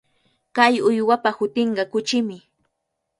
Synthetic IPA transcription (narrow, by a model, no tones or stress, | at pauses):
kajʊjwapahʊt̪ɪɴɢɑkʊt͡ʃɪmɪ